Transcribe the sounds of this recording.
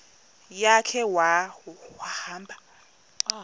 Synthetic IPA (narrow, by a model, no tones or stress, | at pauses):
jakʰɛwawahaːmbʱa